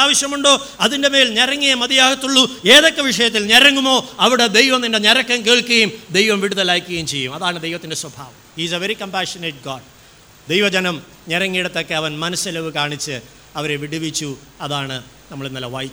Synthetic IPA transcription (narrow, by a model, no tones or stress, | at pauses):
aːʋɐɕjɐmuɳɖo̞ː | ɐðinde̞me̞ːlnerɐŋːijɐmɐd̪ijaːɡɐt̪ːuɭːueːðokːɐʋiʂɐjɐt̪̬ːilneɾɐŋːumo̞ːɐʋiɽed̪ejʋɐmnindeneɾɐkːɐmkeːɭkuɣɐjumd̪e̞jʋɐmʋiɽuðɐlaːkʲːuɣɐjumt͡ɕe̞jːumɐðaːɳɨd̪ejʋɐt̪ːinde̞swɐbʱaːʋɐmhiːsɐʋeɾikɐmpaːʂɐneʈ̚ɡaːɖ | d̪ejʋɐd͡ʑɐnɐm | ɲeɾɐŋːijɽɐt̪ːo̞kːe̞ɐʋɐnmɐnɐsɐlɐʋɨkaːɳit͡ɕːɨ | ɐʋɐɾe̞ʋiɽiʋit͡ɕːu | ɐðaːɳɨ | nɐmːɐɭenːɐlːɐʋɐj